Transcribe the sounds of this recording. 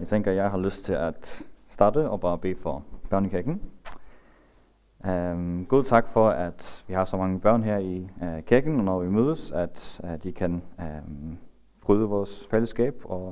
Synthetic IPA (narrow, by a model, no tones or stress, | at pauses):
jɑɪt͡sʰeŋɡ̥ɐjɑ̈ɪɦɑ̈løsd̥t͡sʰe̝læd̥sd̥ɑ̈ːd̥əɒ̽b̥ɑ̈ːb̥e̝̰ːfɒb̥ɶɐ̰nikʰiɐɡ̥n̩ | ɡ̥oðˠt͡sʰɑ̈ɡ̥fɒ̽æd̥ʋihɑ̈sɒ̽mɑ̈ŋəb̥ɶɐ̰nɦæɐ̰ikʰiɐɡ̥n̩ɒnɒʋimøːð̞ˠəsæd̥d̥ikʰæn | b̥ʁyːðˠəʋɒːsfeləsɡ̥ɛ̰ːb̥ɒ̽